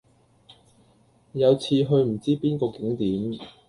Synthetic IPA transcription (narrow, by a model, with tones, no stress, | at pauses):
jɐ˨˧wt͡sʰiː˧ɦɵ˧ɥm̩˨˩t͡siː˥piː˥nkɔː˧kɪ˨˥ŋt̪iː˨˥m